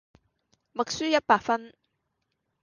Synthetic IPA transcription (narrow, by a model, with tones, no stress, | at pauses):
mɐ˨k̚syː˥jɐ˥t̚paː˧k̚fɐ˥n